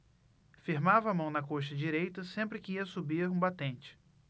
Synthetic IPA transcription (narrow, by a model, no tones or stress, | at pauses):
fiɾmavɐːmɐ̃w̃nɐkoʃɐd͡ʒiɾejt̪ɐsẽmpɾɪkɪiɐsubiɾũbat̪ẽnt͡ʃɪ̥